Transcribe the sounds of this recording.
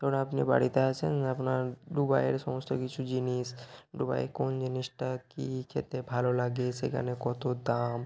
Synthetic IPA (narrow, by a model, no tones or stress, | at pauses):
t̪ɔɾonapniba̰ɽit̪eat͡ɕʰenapnaɾɖubajeɾʃɔmost̪okit͡ɕʰud͡ʑiniʃɖuba̰jekond͡ʑiniʃʈakikʰet̪ebʱalolaɡeʃḛkʰa̰nekɔt̪od̪am